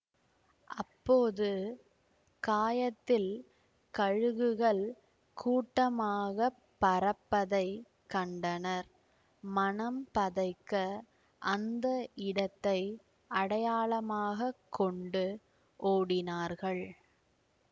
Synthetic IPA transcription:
ʔɐpːoːðɯ | kaːjɐt̪ːɪl | kɐɻɯɣɯɣɐɭ | kʰuːʈːɐmaːɣɐpːɐɾɐpːɐðɐɪ | kɐɳɖɐnɐɾ | mɐnɐmpɐðɐɪkːɐ | ʔɐnd̪ɐʔɪɽɐt̪ːɐɪ | ʔɐɽɐjaːɭɐmaːɣɐkʰːɔɳɖɯ | ʔoːɽɪnaːɾɣɐɭ

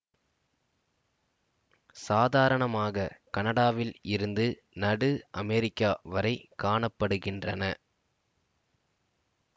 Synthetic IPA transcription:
saːðaːɾɐɳɐmaːɣɐkɐnɐɽaːʋɪlɪɾɯnd̪ɯ | nɐɽɯʔɐmɛɾɪkːaːʋɐɾɐɪkaːɳɐpːɐɽɯɣɪndrɐnɐ

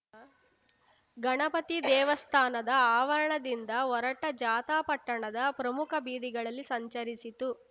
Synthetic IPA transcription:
ɡɐɳɐpɐt̪id̪ɛːʋɐst̪ʰaːnɐd̪ɐaːʋɐɾɐɳɐd̪ind̪ɐɔɾɐʈɐd͡ʒaːt̪aːpɐʈːɐɳɐd̪ɐpɾɐmukʰɐbiːd̪iɡɐɭɐlːisɐɲt͡ʃɐɾisit̪u

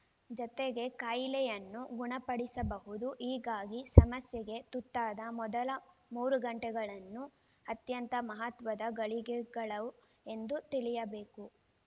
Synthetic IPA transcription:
d͡ʒɔt̪eɡe̞kaːjlɛjɐnːuɡuɳɐpɐɽisɐbɐɦud̪uʔiːɡaːɡisɐmɐsjɛɡe̞t̪ut̪ːaːd̪ɐmɔd̪ɐlɐmuːɾuɡɐɳʈɛɡɐɭɐnːu | ɐt̪jɐnt̪ɐmɐɦɐt̪ʋɐd̪ɐɡɐɭiɡɛɡɐɭɐ | e̞nd̪ut̪iɭijɐbe̞ːku

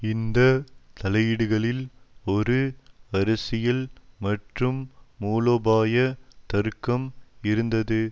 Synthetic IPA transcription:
ɪnd̪ɐt̪ɐlɐjɪɽɯɣɐɭɪlɔɾɯɐɾɐsɪjɐlmɐʈrɯmːuːloːbaːjɐt̪ɐɾkːɐmɪɾɯnd̪ɐðɯ

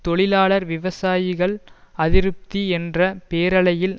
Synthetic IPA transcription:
t̪ɔɭɪlaːɭɐɾʋɪʋɐsaːjɪɣɐɭɐðɪɾɯp̚t̪iɛndrɐpeːɾɐɭɐjɪl

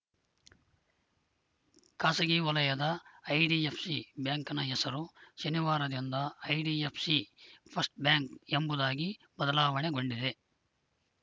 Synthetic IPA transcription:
kaːsɐɡiʋɐlɐjɐd̪ɐːjɖiepʰsibjaːŋkɐnɐɦɛsɐɾuʃɐniʋaːɾɐd̪ind̪ɐɐjɖiepʰsipʰɐsʈ̚bjaːŋkembud̪aːɡi | bɐd̪ɐlaːʋɐɳeɡo̞ɳɖid̪e̞

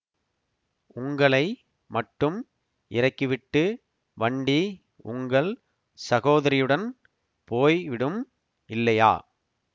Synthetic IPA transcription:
ʊŋɡɐɭɐɪ | mɐʈːɯm | ʔɪɾɐɪkːɯʋɪʈːɯ | ʋɐɳɖi | ʊŋɡɐɭ | sɐɣoːðɐɾɪjɯɽɐn | poːjʋɪɽɯm | ʔɪlːɐja̰ː

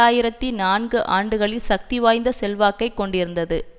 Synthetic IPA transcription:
aːjɪɾɐt̪ːinaːnɡɯʔaːɳɖɯɣɐɭɪlsɐk̚t̪iʋaːjnd̪ɐsɛlʋaːkːɐɪkːɔɳɖɪɾɯnd̪ɐðɯ

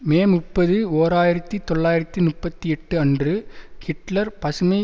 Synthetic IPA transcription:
meːmʊpːɐðɯoːɾaːjɪɾɐt̪ːit̪ɔɭːaːjɪɾɐt̪ːinʊpːɐt̪ːiɛʈːɯɐndrɯhɪʈlɐɾpɐsɯmɐɪ

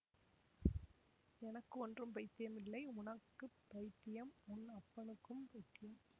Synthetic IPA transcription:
ɛnɐkːɯɔndrɯmpɐɪt̪ːɪjɐmɪlːɐɪʊɳɐkːɯpːɐɪt̪ːɪjɐmʊnːɐpːɐɳɯkːɯmpɐɪt̪ːɪjɐm

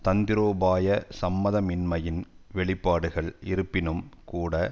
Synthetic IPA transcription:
t̪ɐnd̪ɪɾoːbaːjɐsɐmːɐðɐmɪnmɐjɪnʋɛɭɪpːaːɽɯɣɐɭɪɾɯpːɪnɯmkuːɽɐ

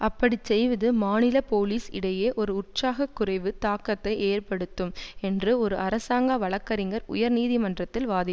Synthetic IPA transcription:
ʔɐpːɐɽit͡ʃɛjʋɐðɯmaːnɪlɐpoːliːsɪ̰ɽɐjeːʔɔɾɯʊʈsaːɣɐkːʊrɐɪʋɯt̪aːkːɐt̪ːɐɪʔeːrpɐɽɯt̪ːɯmɛndrɯɔɾɯɐɾɐsaːŋɡaʋɐɭɐkːɐɾɪŋɡɐɾʊ̰jɐɾniːðimɐndrɐt̪ːɪlʋaːðɪ

